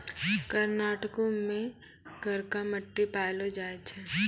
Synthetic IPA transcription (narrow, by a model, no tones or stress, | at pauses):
kəɾnaːʈəkõmẽ | ɡʱəɾkaməʈːipaːlod͡ʒaːet͡ʃʰɛː